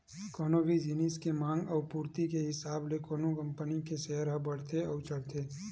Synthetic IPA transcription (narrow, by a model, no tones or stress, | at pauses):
kɔːnoːʋid͡ʒiniskemãːŋɡɔːɾpuːɾt̪ikeɦɪsaːblekoːnokɐ̃mpənikeseɦəɾɦɐbɐɽ̤t̪eɔːɾt͡ʃɐɽt̪eː